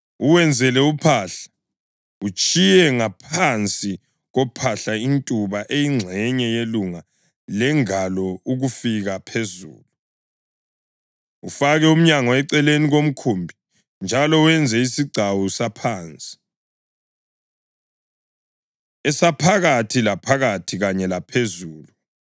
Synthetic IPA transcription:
uwɛnd͡zʱɛlɛupʰaɬḁ | ut͡ʃʼijɛŋapʰant͡sʼi | ɣɔpʰaɬaintʼuβaʔejiŋ͡ǀʱɛɲɛjeluŋa | lɛŋalɔuɣufiɣapʰezṵːlu | ufaɣɛum̩ɲaŋɔɛǀɛleniɣom̩kʰumbʱi | nd͡ʒʱalɔwɛnd͡zʱɛisiɡ͡ǀʱawusapʰaːnt͡sʼi̥ | ɛsapʰaɣatʰilapʰaɣatʰiɣaɲɛlapʰezuːlu

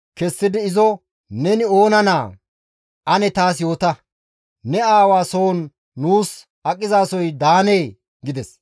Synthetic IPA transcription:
kɛsːɪd̪ɪːzɔ | nɛnɪo̞ːnɐnaː | ʔɐnɛt̪aːsjo̞ːt̪ɐ | nɛaːwaːsoːnː | uːs | ɐkʼːɪzaːsɔjd̪aːneː | ɡɪd̪ɛs

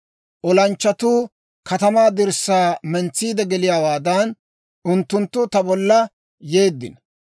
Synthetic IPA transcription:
ʔɔlɐnt͡ʃːɐt̪uː | kɐt̪ɐmaːd̪ɪɾsːaːmɛnt͡sːiːd̪ɛɡɛlɪjaːwaːd̪ɐn | ʔʊnt̪ːʊnt̪ːʊt̪ɐbɔlːɐ | je̞ːd̪ːɪ̰n

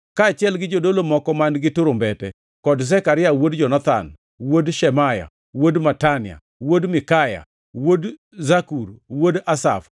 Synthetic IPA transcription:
kaːt͡ʃɪɛlɡɪd͡ʒodolomɔkɔmanɡɪtʊɾʊmbɛtɛ | kɔdsɛkaɾɪawodd͡ʒɔnat̪a̰n | wodʃɛmaja̰ | wodmatanɪa̰ | wodmɪkaja̰ | wod | zakuɾwodasa̰f

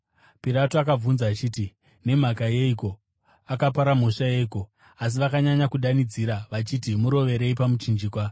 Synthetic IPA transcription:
piɾatoakab͡vunzaːt͡ʃiːti | ne̞m̤akaje̞iko̞ | akapaɾam̤oʂaje̞iko̞ | as̬iʋakaɲaɲakuɗanid͡ziɾaʋat͡ʃitimuɾo̞ʋe̞ɾe̞ipamut͡ʃind͡ʒiːkwa

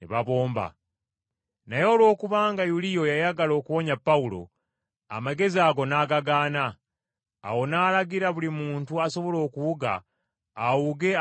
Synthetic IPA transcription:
neβaβo̞ːmba̰ | najo̞ːlwo̞ːkuβaːŋɡajulijo̞jajaɡalo̞ːkuβo̞ɲapːaulo̞̰ | a̰maɡe̞ziaːɡo̞naːɡaɡaːna̰ː | wo̞naːlaɡiɾaβulimuːntuaso̞βo̞lo̞ːkuwuɡa̰ː | wuɡe̞

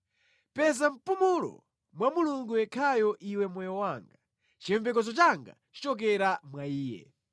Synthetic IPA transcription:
pɛzam̩pumulɔ̰ | mwamuluŋɡujɛkʰajɔʔiwɛmwɔjɔwaːŋɡa | t͡ʃiɛɱvɛkɔzɔt͡ʃaŋɡa̰t͡ʃi̥t͡ʃɔk̬ɛɾamwaiːjɛ̰

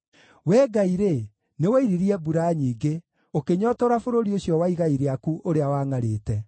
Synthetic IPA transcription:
wɛːɡaiɾe | newɛiɾiɾiɛbuɾaɲiːɡe | okeɲɔːtɔɾafoɾoɾioɕjɔwaiɣaiɾeakuʔoɾeawaːŋaɾeːtɛ

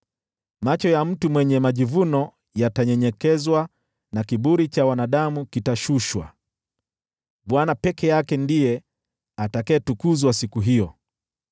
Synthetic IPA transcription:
mat͡ʃɔjam̩tumwɛɲɛmaʄivunɔ | jataɲɛɲɛkɛzwa | nakiɓuɾit͡ʃawanaɗamukitaʃuʃwa̰ | ɓwanapɛkɛjakɛndijɛ | atakɛːtukuzwasikuɦijɔ

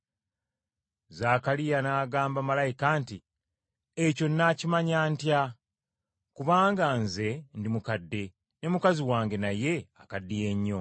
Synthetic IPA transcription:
zakalijanaːɡaːmbamalajikanti | eco̞nːaːcimaɲaːntja | kuβaːŋɡanze̞ndimukadːe̞ | ne̞mukaziwaːŋɡe̞naje̞akadːije̞ɲːo̞

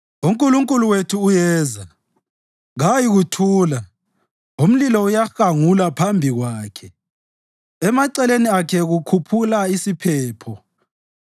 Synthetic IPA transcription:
uŋkʼuluŋkʼuluwetʰuːjɛːza | ɣajiɣutʰuːla | um̩lilɔujaxaŋulapʰambʱiɣwaːkʰɛ | ɛmaǀɛleniakʰɛɣukʰupʰulaisipʰɛːpʰɔ

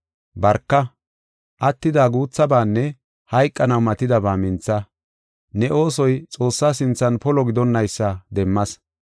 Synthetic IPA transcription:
bɐɾkːɐ | ʔɐt̪ːɪd̪aːɡuːt͡sːɐbaːnːɛ | hɐjkʼːɐnɐwmɐt̪ɪd̪ɐbaːmɪnt͡sːɐ | nɛʔo̞ːsɔjt͡sʼo̞ːsːaːs̬ɪnt͡sːɐnpɔlɔɡɪd̪ɔnːɐjsːɐd̪ɛmːɐs

